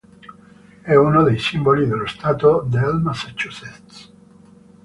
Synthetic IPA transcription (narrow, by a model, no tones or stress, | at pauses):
ɛunod̪ejsimbolid̪elːost̪aːt̪od̪elmasat͡ʃːuset̪s